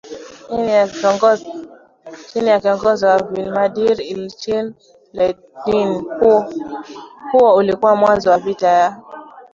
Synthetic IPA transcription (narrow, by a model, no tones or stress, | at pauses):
t͡ʃinijakiɔŋɡɔzɔwavilmaɗiɾilt͡ʃin | lɛ | din | huwɔulikuwamwanzɔwavitaja